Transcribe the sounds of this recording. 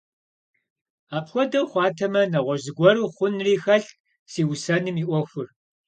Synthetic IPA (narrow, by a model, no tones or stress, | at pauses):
aːpxʷɔdɐwχʷɑːtʰɐmɐnɐʁʷɔzɨɡʷɔɾuːχʷʊnriːxɐɬ | siːwsɐnɨmiːʔʷɔxʷʊr